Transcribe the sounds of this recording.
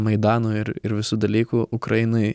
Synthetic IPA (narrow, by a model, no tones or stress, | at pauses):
mɐɪd̪ɑːnuːɪɾɪɾʋʲɪsuːd̪ɐlʲiːkuːʔʊkɾɐɪnɐɪ